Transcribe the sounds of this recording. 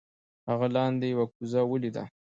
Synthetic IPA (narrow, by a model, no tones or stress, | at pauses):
haɣalɑnd̪ejawakuzawəlid̪a̰